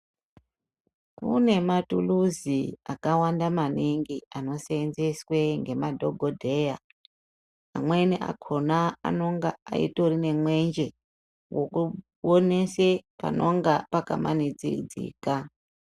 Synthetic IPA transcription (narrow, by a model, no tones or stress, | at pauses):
kṵne̞matṵluziakawandamaniŋɡiano̞senzeswe̞ŋɡe̞madʱo̞ɡʱodʱe̞ja | amwe̞niʔa̰kʰo̞naa̰no̞ŋɡaaḭto̞rine̞mwe̞nd͡ʒe̞ | wo̞ku | one̞sepa̰noŋɡapaka̰ma̰nid͡zḭd͡zḭːka